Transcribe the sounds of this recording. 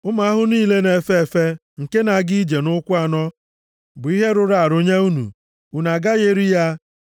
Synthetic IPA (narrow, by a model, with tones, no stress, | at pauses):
ʊ˦ma˨a˦ɦʊ˦niː˦le˦ne˨fe˦e˨fe˦ | ŋ̩˨ke˦na˨˦ɡi˦i˦d͡ʒe˨nʊ˦kʷʊ˦a˨nɔ˦ | bʊ˨i˦ɦe˦ɾʊ˨ɾa˨a˨ɾo˦ɲe˦u˦nṵ˨ | u˨na˨ɡa˦ɣe˦ɾi˦ja˦